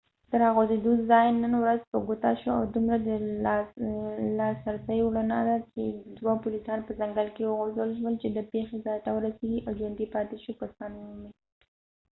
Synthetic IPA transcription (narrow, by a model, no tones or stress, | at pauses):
d̪̥əɾɑɣozed̪uzɑjnənwɾazpəɡut̪aʃoawd̪umɾad̪ə | lɑsaɾsəjwɽanad̪at͡ʃed̪wapulisɑnpəzaŋɡalkewəɣozəlʒwəlt͡ʃed̪əpexezɑjt̪awəɾaseɡiʔawd͡ʒwand̪ipɑt̪eʃukasɑnmʊhʊmi